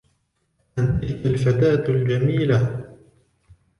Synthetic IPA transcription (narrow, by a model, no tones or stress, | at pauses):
ʔant̪ɪlkalfat̪aːt̪ld͡ʒamiːla